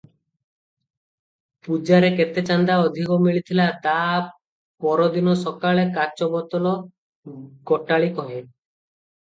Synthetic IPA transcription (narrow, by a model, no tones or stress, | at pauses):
pud͡ʒaɾeket̪et͡ʃand̪aɔd̪ʱikɔmiɭit̪ʰilat̪a | pɔɾɔd̪inɔsɔkaɭekat͡ʃɔbɔt̪ɔlɔ | kɔʈaɭikɔɦe